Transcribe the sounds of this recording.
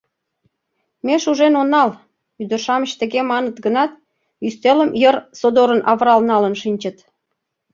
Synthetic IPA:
meʃuʒenonːɑl | yd̪ərʃɑməɕt̪ə̆ɣemɑnət̪ɡənɑt̪ | yst̪eləmjərsod̪oɾənʔɑβɾɑlnɑlənʃinʲt͡ɕət̪

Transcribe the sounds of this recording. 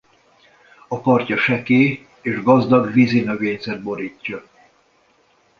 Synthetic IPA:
ɒpɒrcɒʃɛkeː | eːʒɡɒzd̪ɒɡvizimøɡeːɲzɛd̪̚bo̞ɾiːcːɒ

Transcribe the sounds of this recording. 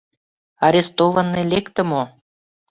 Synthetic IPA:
ɑɾʲest̪ovənːelʲekt̪ə̆mo

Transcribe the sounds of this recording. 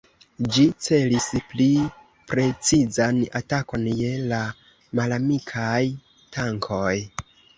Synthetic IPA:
d͡ʒit͡se̞lispli | pɾe̞t͡sizanatako̞nje̞la | malamikʰaj | tʰaŋkʰo̞j

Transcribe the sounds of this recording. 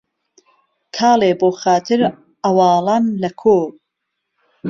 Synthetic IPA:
kʰɑːleːboːxaːt̪ʰɨɾ | ɐwɑːlˠɑːnlɐkʰoː

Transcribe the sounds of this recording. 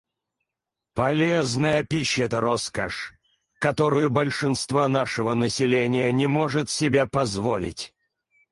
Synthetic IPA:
pɐlʲeznəjəpʲiɕːɪɛt̪əɾoskəʂ | kɐt̪oɾɨjʊbəlʲʂɨnst̪vanaʂɨvənəsʲɪlʲenʲɪjənʲɪmoʐɨt̪sʲɪbʲapɐzvolʲɪ̰tʲ

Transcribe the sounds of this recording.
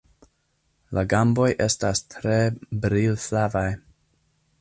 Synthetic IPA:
laɡambo̞jʔestastʰɾebɾilflavaj

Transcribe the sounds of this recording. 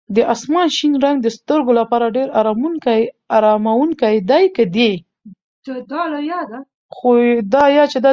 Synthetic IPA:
d̪əʔasmɑnʃinɾaŋɡ̚d̪əst̪əɾɡolapɑɾaɖeɾaɾɑmuka | aɾɑmawuŋkajd̪ajkəd̪e | d̪əd̪ɑlajɑd̪a | xod̪ɑjɑt͡ʃed̪ɑ

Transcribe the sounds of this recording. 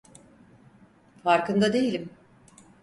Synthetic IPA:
faɾkɯnd̪ad̪e̞jilʲim

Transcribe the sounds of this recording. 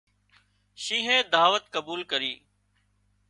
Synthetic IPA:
ʃĩːɦẽːd̪aːʋət̪̚kəbuːlkəɾiː

